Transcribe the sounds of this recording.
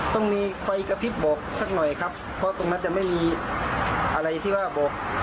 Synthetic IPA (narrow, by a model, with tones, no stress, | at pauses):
t̪ɔ˥˨ŋmiː˧˥˨kʰa˧˩ʔkːa˧pʰi˦˧˥p̪̚bɔː˨˩k̚sa˧˩k̚nɔ˨˩jkʰa˧˦˥p̚ʰːɔ˧t̪o˧ŋna˧˥˨t͡ɕa˨ʔma˥˩jmiː˧ | ʔa˧ɾa˧jt̪ʰiː˥˩waː˧˩bɔː˨˩k̚